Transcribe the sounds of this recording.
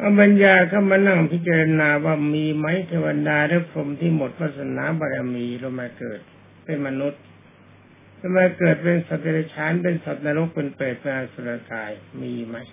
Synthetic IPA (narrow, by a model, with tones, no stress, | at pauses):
ʔa˧˩ba˧njaː˧˩kʰa˧˥˩ma˧na˧˩ŋpʰi˦˥t͡ɕa˧ɾa˧naː˧waː˧˩miː˧ma˦˥jt̪ʰeː˧wa˧daː˧ɾa˦˥˩pʰɾo˧mt̪ʰiː˥˩mo˨˩t̪̚wa˦˥˩t̪̚sa˧na̰ː˨˦ba˧ɾa˧miː˧ɾo˧maː˧kɤ̰ː˨˩t̪̚ | pe˧nma˧nu˦˥t̪̚ | ɾo˧maː˧kɤː˨˩t̪̚pe˧nsa˨˩p̚ta˧ɾa˧t͡ɕʰaː˦˥npe˧nsa˨˩t̪̚naː˧ɾo˦˥k̚pe˧npɤː˨˩t̪̚ma˧aː˧so˨˩t̪a˧kaː˧jmiː˧ma˦˥j